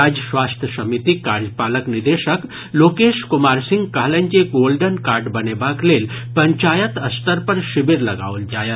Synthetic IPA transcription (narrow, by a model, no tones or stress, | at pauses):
ad͡ʒəsʋaːst̪ʰjəsɐmit̪ikaːɾd͡ʒəpaːləknid̪eːʃək | loːkeːʃkumaːɾsɪ̃ŋɡkaɦlə̃nd͡ʒeɡoːlɖənkaːɾɖbɐnebakleːlpɐɲt͡ʃaːjət̪ɐst̪əɾpɐɾʃɪbiɾlɐɡa̰ːʋəld͡ʒaːjə